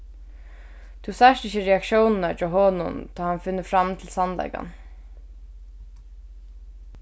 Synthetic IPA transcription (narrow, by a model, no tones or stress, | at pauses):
t̪ʰusæʃʈɪçəɹɛakʃjownnat͡ʃaːɦoːnʊ̰nt̪ʰɑːhanfɪnːəfɾamt̪ʰɪlsanlɛ̰ɪka̰n